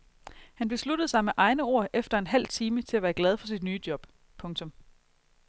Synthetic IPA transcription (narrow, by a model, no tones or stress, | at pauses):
hænb̥e̝slud̥ð̩ˠsɑ̈ɪmeʔɑ̈ɪnəo̝ɐ̰ʔefd̥ɐe̝nɦæl̰t͡sʰiːmət͡sʰe̝læʋæːɐɡ̥lɛð̞ˠfɒ̽sid̥nyːd̥jɒ̽b̥ | pʰɔ̽ŋt͡sʰɔ̽m